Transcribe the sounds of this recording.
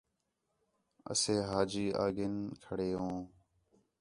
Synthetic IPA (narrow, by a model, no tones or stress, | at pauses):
ə̰seːɦaːd͡ʒiːʔa̰ːɡɪnkʰəɽeːɦõː